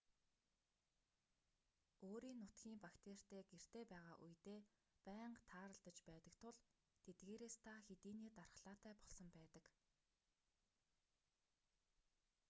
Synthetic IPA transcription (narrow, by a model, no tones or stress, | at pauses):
oːɾiːnːʊt̪ɡʲiːmpakt̪ʰer̥t̪eːɡer̥t̪eːpæːʁaːʔujt̪eː | pæːɴqt̪ʰaːɾə̆ɮt̪ə̆t͡ɕpæːt̪ə̆kt̪ʰʊɮ | t̪ʰet̪̚ɡeːɾeːst̪ʰaxet̪iːniːt̪arχɮ̥aːt̪æːpɔɮsɞ̆mpæːt̪ə̆k